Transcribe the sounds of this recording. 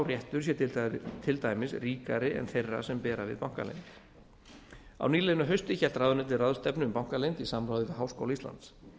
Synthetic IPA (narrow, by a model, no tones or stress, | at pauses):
wrjɛht̪ʏɾsjɛt̪t̪ʰɪlt̪ajmɪsriːkaɾɪʔɛ̰nθejrːa̰̥sɛmpɛːɾavɪ̰ðpawŋ̥ka̰lḛjnt̪ | a̰wniːlenʏɦœɥst̪ɪçɛlt̪raðʏnɛt̪ɪraðʏ̥st̪ɛpnʏʏmpawŋ̥kalejnt̪isamɾaːwðɪkaɦaːwsko̰wlist̪la̰nt̪s